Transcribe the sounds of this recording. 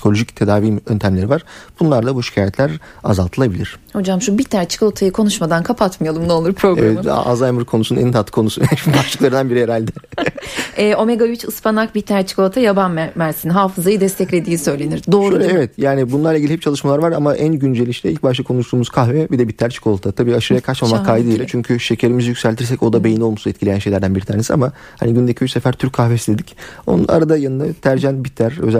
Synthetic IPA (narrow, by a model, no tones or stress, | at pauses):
psi̥kʰo̞lʲo̞ʒict̪ʰe̞d̪aːviːmønt̪ʰæmlʲeɾivaɾ̥b̥unlˠaɾd̪ˠabuʃi̥cʰaːjɛt̪ʰlʲæɾa̰zalˠt̪ʰɯlˠabilʲiɾ̥ho̞d͡ʒamʃubit̪ʰːæɾt͡ʃʰi̥ko̞t̪ʰajɯkʰo̞nuʃmad̪ankʰapʰat̪mɯjalˠɯmnɛolˠuɾpʰɾo̞ɡaɛm̰a̰zajmɯɾkʰonusunɛ̰nt̪ʰat̪ʰːɯ̥kʰo̞nusunɛʃibaʃɯklˠaɾɯnd̪anbiɾijeɾalʲd̪ɛ | ɛːʔo̞me̞ɡajit͡ʃɯspʰanak̚bit̪ʰːæɾt͡ʃʰi̥kot̪ʰajabanmæɾsinɦaːfɯzajɯd̪ɛst̪ʰɛclʲed̪iːsø̞jlʲe̞niɾd̪oːɾɛɛvɛt̪jaːnibunˠaɾlˠaiɟilʲihɛp̚t͡ʃʰalˠɯʃmalˠaɾvaɾamaʔænɟynd͡ʒelʲiʃlʲɛilʲc̚baʃˠakʰo̞nuʃt̪ˠuːmuz̥kʰaxvɛbid̪ɛbit̪ʰːæɾt͡ʃʰi̥kʰo̞lˠt̪ʰat̪ʰabiːaʃɯɾajakʰat͡ʃmamakʰajd̪ɯd̪ilʲɛt͡ʃʰyɲcʰyʃe̞cʰeɾimizijycsælʲt̪ʰiɾs̬ɛco̞d̪abejino̞lˠmusnɛt̪cʰilʲejænʃe̞jlʲæɾd̪ænbiɾit̪ʰaɾnesia̰ma | haniɟynd̪ecʰijyt͡ʃsefæɾt̪ʰyɾcʲʰːaxvesid̪ed̪ico̞̰nṵna̰ɾad̪ajanɯnd̪at̪ʰæɾd͡ʒænbit̪ʰːæɾø̰zæ